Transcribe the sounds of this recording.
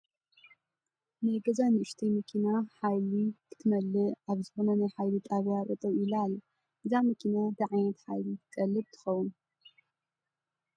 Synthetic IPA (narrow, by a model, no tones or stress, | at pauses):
nɨɡɐzanɨʔɨʃt̪ʰijmɐkʰinaħajlikʰɨ̥t̪ʰɨmɐlːɨaβzɨxo̞nɐnajħajlit̪ʼaβjakʼɐt̪ʼɐβilalː | ʔɨzamɐkʰinad̪ɨʕajnɐt̪ħajlikʼɐlːɨb̚t̪ʰɨ̥xɐwun